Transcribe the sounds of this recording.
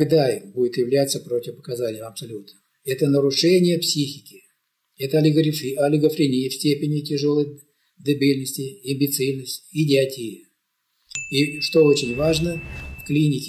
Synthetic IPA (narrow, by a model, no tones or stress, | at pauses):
ɡd̪aɪbudʲɪt̪jɪvlʲat̪sːəpɾo̞tʲɪfpə̥kɐzanʲɪjəmɐpsɐlʲut̪nəm | ɛt̪ənəɾʊʂɛnʲɪjəpsʲixʲɪkʲɪ | ɛt̪əɐlʲɪɡɾʲɐlʲɪɡəfɾʲɪnʲijəfsʲtʲepʲɪnʲɪtʲɪʐo̞lˠəj | d̪ɨbʲilʲnəsʲtʲɪɐmʲbʲɪt̪sɨlʲnəsʲtʲɪɪdʲɪɐtʲijɪ | iʂt̪oo̞t͡ɕɪnʲvaʐnəfklʲinʲɪkʲɪ